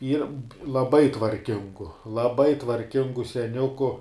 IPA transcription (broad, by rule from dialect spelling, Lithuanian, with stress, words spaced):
ˈiːr lˠɐˈbɐɪ tʋɐrʲˈkʲɪŋɡʊ lˠɐˈbɐɪ tʋɐrʲˈkʲɪŋɡʊ sʲɛˈnʲʊkʊ